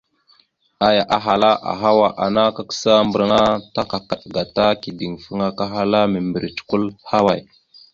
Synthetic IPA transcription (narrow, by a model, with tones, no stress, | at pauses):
a˦ja˨ʔa˨ɦa˨la˦ʔa̰˨ɦa˦wa˨ʔa˨na˦ka˦kə̥˦sa˦mbə˨ɾŋa˦ta˦ka˨ka˨ɗɡa˨ta˦ki˨di˨ŋfə˦ŋa˦ka˦ɦa˦la˦mə˨mbə˨ɾt͡ʃku˦lha˦wa˨j